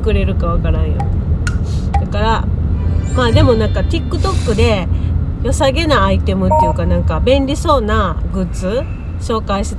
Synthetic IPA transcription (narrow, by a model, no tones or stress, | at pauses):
kɯ̟ɾe̞ɾɯ̟kaβakaɾãɰ̃jo̰ | d̪akaɾa | maːd̪e̞mo̞nãŋkat̪ikːɯ̟t̪o̞kːɯ̟d̪e̞jo̞saɡe̞naːit̪e̞mɯ̟t̪ːejɯ̟kanãŋkabẽ̞nɾʲiso̞ːnaɡɯ̟t͡sɨ | ɕo̞ːkaiɕ